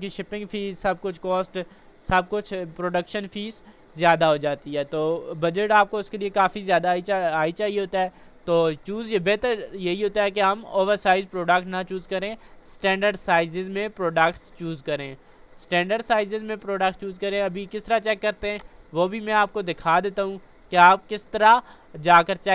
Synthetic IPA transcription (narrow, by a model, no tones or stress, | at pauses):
kiʃɪpɪ̃ŋɡfʰiːzsɐb̚kʊt͡ʃʰkɔːsʈ | sɐb̚kʊt͡ʃʰpɾoːɖəkʃənfiːz | zjaːd̪aɦod͡ʒaːt̪iɦɛːt̪oːbɐd͡ʒəʈaːp̚koʊskeliekaːfizjaːd̪ait͡ʃaaːit͡ʃaːɦieɦoːt̪aɦɛːt̪oːt͡ʃuːzbeːt̪əɾjɐɦiɦoːt̪aɦɛk̬eɦɐmo̰ːʋəɾsaːɪzpɾoːɖəkʈnɐt͡ʃuːzkɐɾẽsʈɛ̃ːɳɖəɾɖsaːɪzɪzmẽpɾoːɖəkʈst͡ʃuːzkɐɾẽː | sʈɛ̃ːɳɖəɖsaːɪzɪzmẽpɾoːɖək̚ʈst͡ʃuːzkɐɾẽɐbʱikɪst̪əɾat͡ʃɛːkːɐɾt̪eɦɛ̃ːʋoːbʱimɛ̃aːp̚kod̪ɪkʰaːd̪eːt̪aɦũ | keaːp̚kɪst̪əɾa | d͡ʒaːkəɾt͡ʃɛː